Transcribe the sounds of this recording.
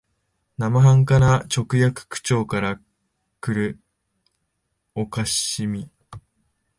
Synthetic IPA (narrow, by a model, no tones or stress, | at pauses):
namaɦãŋkanat͡ɕo̞kɯ̟jakɯ̟̥kɯ̟̥t͡ɕo̞ːkaɾa | kɯ̟ɾɯ̟ | o̞kaɕimʲi